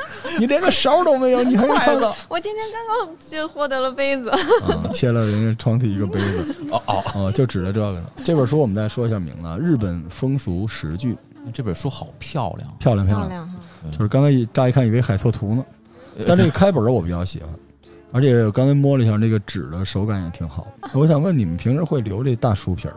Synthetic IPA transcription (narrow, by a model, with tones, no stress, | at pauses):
ni˨˩ljɛ˧˥nd̪ə˧ʂɑ˧˥ʊt̪o˥ʊme˧˥ɪjo˧˦ʊni˨˩xa˥jʰa˥˧wɔ˨˩t͡ɕi˥nt̪ʰjɛ˥nkɑ˥nkɑ˥ŋ | t͡ɕo˥˧xwɔ˥˩t̪ɤ˧˥lə˧pe˥ɪd͡zɹ̩˨˧˩t͡ɕʰjɛ˥lə˨ljnɛ˧˩nʈ͡ʂʰwɑ˥ŋt̪ʰi˨˩i˧˥ɡə˧pe˥ɪd͡zɹ̩˨˩˧ə˥˧t͡ɕjo˥˩ʊʈ͡ʂɻ̩˨˩lə˦ʈ͡ʂɤ˥˧ə˥˧˩ɡə̰˨˩˧ʈ͡ʂɤ˥˩bə˨˩ʂ̬u˥wɔ˨˩mə˦nt͡sa˥˩ɪʂwɔ˥i˧ɕjɑ˥˩mḭ˧˥ŋlə̰˧ɻɻ̩˥˩pə˨˩nfɤ˥ŋsu˧˥ʂɻ̩˧˥t͡ɕy˥˩˥ | ʈ͡ʂɤ˥˩bə˨˩ʂu˥xɑ˨˩ʊpʰjɑ˥˧ʊljɑ̰˥˩ŋpʰjljɑ˥˩ŋpʰjɑ˥˩ljɑ˥˧˩t͡ɕo˥˧ʂɻ̩˥˩kɑ˥ŋkʰa˥ɪ˧˩ʈ͡ʂa˥i˧kʰa˥˩ni˩e˥˩ɪxa˨˩ɪt͡sʰwɔ˥˩t̪ʰu˧˥nə˧ | t̪a˥˧nʈ͡ʂɤ˥˩ɡə˩kʰa˥ɪpə˞˨˩ə˦wɔ˨˩pu˧˥˩jɑ˥˩ʊɕḭ˨˩xwə̰˧˦n | ə˞˧˥t͡ɕʰjɛ˧˥jkɑ˥ŋt͡sʰa˥ɪmwɔ˥lə˧i˧˥ɕjɑ˥˧nɤ˥˩ɡə˩ʈ͡ʂɻ̩˨˩d̪ə˦ʂo˧˥ʊka˧˥njɛ˨˩t̪ʰi˧˥ŋxɑ˨˩˦na˥˩wɔ˧˥ɕjɑ˨˩ŋwə˥˩ni˨˩mə˦npʰi˧˥ŋʂɻ̩˥xwe˥˩ɪljo˧˥ʊʈ͡ʂe˥˧t̪a˥˩ʂu˥pʰjə̰˧˥